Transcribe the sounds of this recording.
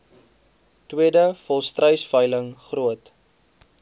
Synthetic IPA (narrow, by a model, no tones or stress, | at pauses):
twiədəfɔlˠstrəjsfœjləŋχruət